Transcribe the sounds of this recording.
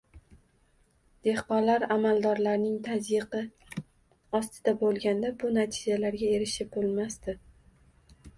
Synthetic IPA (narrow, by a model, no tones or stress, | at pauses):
d̪̥e̞hqɒnlaɾamalˠd̪ɒɾlaɾnɪŋt̪ʰazjɪqɨ | ɒst̪ʰɪd̪abolˠɡʲand̪abʊnat̪ʰɪd͡ʒalaɾɡʲae̞ɾɪʃɪp̚bolˠmast̪ɪ